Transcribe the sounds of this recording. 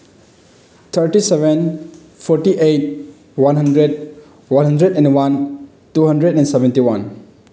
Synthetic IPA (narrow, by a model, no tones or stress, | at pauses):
t̪ʰəɾtiseben | pʰɔɾtiʔejt̚ | wanɦɐndɾed̚ | wanɦɐndɾedɛnwan | tuɦɐndɾedɛ̃nsebentiwan